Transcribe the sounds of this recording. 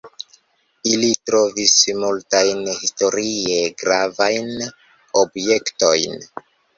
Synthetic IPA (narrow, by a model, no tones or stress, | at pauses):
ilitɾo̞vismultajnhisto̞ɾie̞ɡɾavajn | o̞bje̞kto̞jn